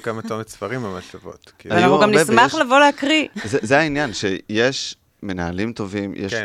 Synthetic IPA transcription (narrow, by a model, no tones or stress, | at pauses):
kamatomet͡sfɐʁimamat͡ʃavo̰tkivanauχuɡamnissmaχlavo̞leakʁizezeainjanʃejeʃ | menaɦalimto̞vimjḛʃ